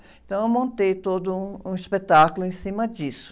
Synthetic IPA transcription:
ẽt̪ɐ̃w̃ewmõnt̪ejt̪od̪ʊũũispet̪akʊlʊẽsĩmɐd͡ʒisʊ̥

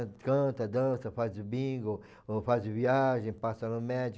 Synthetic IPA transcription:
kɐ̃t̪ɐd̪ɐ̃sɐfazʊbĩɡo | fazʊviaʒẽj̃pasɐnʊmɛd͡ʒ

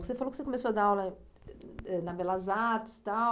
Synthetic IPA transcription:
ksefalokɪsekõmesoɐd̪aawlɐ | ɛnɐbɛlɐzaɾt͡ʃɪ̥st̪a

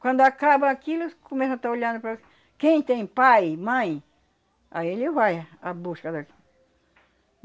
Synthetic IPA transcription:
kʷɐ̃nd̪ʊakabɐ̃akilʊkomesɐ̃t̪aoʎɐ̃nd̪ʊpɾa | kẽj̃t̪ẽj̃pajmɐ̃j̃ | a̰ielivajabuskɐd̪aki

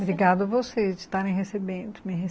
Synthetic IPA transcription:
bɾiɡad̪ʊɐvosezd͡ʒɪ̥t̪aɾẽj̃ɦesebẽnd̪ʊmĩɦe

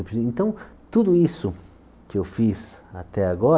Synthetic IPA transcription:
wpɾẽnt̪ɐ̃w̃ | t̪ud̪ʊisʊ | kɪewfisat̪ɛaɡɔ

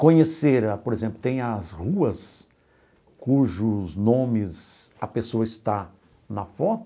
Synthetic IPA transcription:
kõɲeseɾɐpoɾezẽmplʊt̪ẽj̃ɐzhuɐs | kuʒʊznõmɪzɐpesoɐɪst̪a | nɐfɔt̪

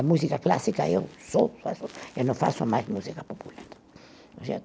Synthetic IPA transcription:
amus̬ikaklasikaesofa̰soenofa̰somasmusikapopulat̪ | osea

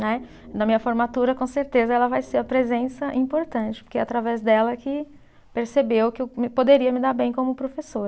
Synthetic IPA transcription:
nɛ | nɐmĩɲɐfoɾmat̪uɾɐkõseɾt̪ezɐɛlɐvajseɾɐpɾezẽsɐʔĩpoɾt̪ɐ̃t͡ʃɪ̥poɾkeat̪ɾavɛzd̪ɛlɐkɪ | peɾsebewkɪewmɪpod̪eɾiɐmɪd̪aɾbẽj̃kõmʊpɾofesoɾ

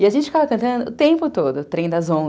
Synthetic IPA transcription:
ɪaʒẽnt͡ʃɪfikavɐkɐ̃nt̪ɐ̃nd̪ʊʊt̪ẽpʊt̪od̪ʊt̪ɾẽj̃d̪ɐzõ

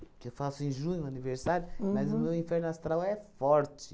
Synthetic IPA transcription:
kewfasẽj̃ʒuɲuɐnivɨɾsaɾjumɐzumewĩfɛɾnaʃt̪ɾawɛfɔɾt̪

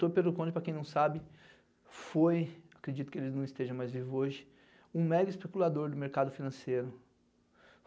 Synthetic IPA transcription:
oɾpeɾlʊkõd͡ʒɪpɾɐkẽj̃nɐ̃w̃sabɪ | fojakɾed͡ʒit̪ʊ̥kɪelɪznɐ̃w̃ist̪eʒɐ̃majzvivʊoʒɪ | ũmɛɡɐispekulad̪oɾd̪ʊmeɾkad̪ʊfinɐ̃sejɾʊ

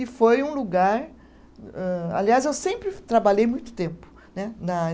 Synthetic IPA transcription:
ɪfojũluɡaɾ | ɛa̰liazewsẽmpɾɪt̪ɾabaʎejmũj̃t̪ʊ̥t̪ẽmpʊ̥ | nɛnɐa

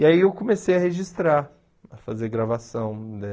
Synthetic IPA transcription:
iaiewkõmesejɐheʒist̪ɾaɾ | ɐfazeɾɡɾavasɐ̃w̃d̪ɛ

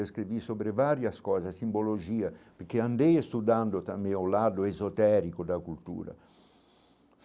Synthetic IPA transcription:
eskɾivisoːbɾɪvaːɾjaskɔːzasimbolod͡ʒiːapeɾk̟eand̪ejest̪ud̪and̪ot̪ameolad̪ʊezot̪ɛɾikod̪akult̪ṵːɾa̰

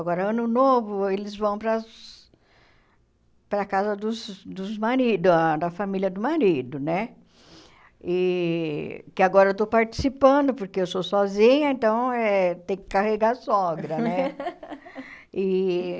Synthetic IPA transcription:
aɡɔɾɐɐ̃nʊnovʊelɪzvɐ̃w̃pɾɐs | pɾɐkazɐd̪ʊzd̪ʊzmaɾid̪ʊd̪ɐfamilʲjɐd̪ʊmaɾid̪ʊnɛ | ɪ | kɪaɡɔɾɐewt̪̬opaɾt͡ʃi̥sipɐ̃d̪ʊpoɾkeewsosɔzĩɲɐẽnt̪ɐ̃w̃ɛt̪ẽj̃kɪ̥kaheɡasɔɡɾɐnɛ | ɪ

